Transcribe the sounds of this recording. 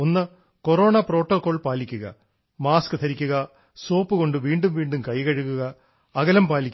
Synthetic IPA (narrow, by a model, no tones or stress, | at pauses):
onːɐ | ko̞ro̞ːɳɐpro̞ːʈːokːo̞ːɭpaːlikʲːuɣɐ̰ | maːskɨt̪ʰɐɾikʲːuɣɐ | so̞ːpːɨɣo̞ɳɖɨʋiːɳɖumʋiːɳɖumkɐjkɐɻuɣuɣɐː | ɣɐlɐmpaːlikʲː